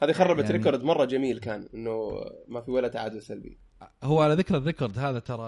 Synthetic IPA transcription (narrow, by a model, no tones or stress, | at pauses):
haːðixɑrˤːɑbat̪ɾɪkoɾˤd̪mɑrˤːɑd͡ʒamiːlkaːnʔɪnːʊmafiwalat̪aʕaːd̪wɪsalbḭ | hʊwːʕalaðɪkɾɪrːɪkoɾˤd̪haːðat̪ɑɾˤɑ